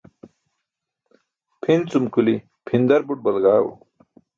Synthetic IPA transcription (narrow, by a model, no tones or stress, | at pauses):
pʰint͡sumkuli | pʰind̪ɐɾbuʈ̚bɐlɡaːwṵ